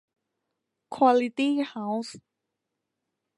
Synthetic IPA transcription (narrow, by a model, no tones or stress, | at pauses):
kʰwalit̪ihaws